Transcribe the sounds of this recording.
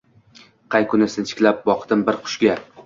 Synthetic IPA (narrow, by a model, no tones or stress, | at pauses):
qʰɑjkʰʊnɪsɪnt͡ʃʰɪ̥kʲlap̚bɒqt̪ɪmbɪɾqʰʊ̥ʃɡʲa